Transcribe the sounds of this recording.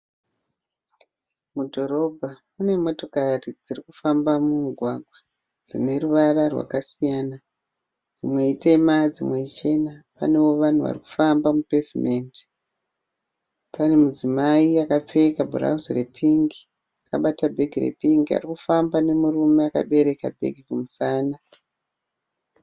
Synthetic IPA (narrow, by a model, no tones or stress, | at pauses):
mudʱo̞ɾo̞bʱamune̞mo̞to̞karid͡zirikufambamumuɡʱwaɡʱwa | d͡zine̞ruʋararwa̰kasijaːna | d͡zimwe̞ite̞mad͡zimwe̞it͡ʃe̞napa̰ne̞wo̞ʋan̤uʋa̰riku̥fambamupe̞vime̞ːndi̥ | pane̞mud͡zimaiakap͡fe̞kabʱura̰uzirepʰiŋɡi | akaɓatabʱe̞ɡʱirḛpiŋɡia̰rikufambane̞murume̞aka̰ɓe̞ɾe̞kabʱe̞̰ɡʱikumusaːna